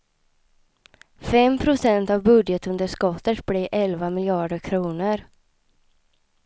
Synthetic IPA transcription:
fɛmpʰɾʊsɛnt̪avbɵd̪jət̪ɵnd̪əʂkɔt̪ːət̪b̥leːʔɛlvamɪljɑːɖəɾkʰɾuːnəɾ

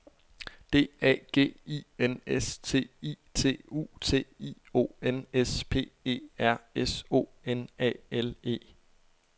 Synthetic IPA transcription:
d̥e̝̰ːɛ̰ːɡ̥e̝̰ːienest͡sʰe̝̰ːḭːt͡sʰe̝̰ːṵːt͡sʰe̝̰ːḭːo̝̰ːenespʰe̝̰ːe̝̰ːæɐ̰eso̝̰ː | enɛ̰ːele̝̰ː

